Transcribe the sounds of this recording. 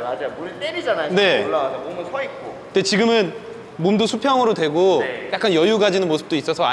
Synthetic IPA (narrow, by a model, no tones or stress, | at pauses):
ad͡ʑamoɭt͈eɾid͡ʑanajone̞oɭːaɡademomɯnsʰʌik̚k͈okɯdet͡ɕiɡɯmɯn | momdosʰupʰjʌŋɯɾodwe̞ɡojak͈anjʌjuɡad͡ʑinɯnmosʰɯ̥p̚t͈ois͈ʌsʰʌa